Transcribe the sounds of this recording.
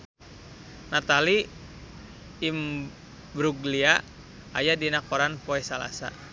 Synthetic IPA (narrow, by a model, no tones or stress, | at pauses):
nat̪ali | m | bɾuɡlia | a̰jadinakɔɾanpɔɛsala̰sa̰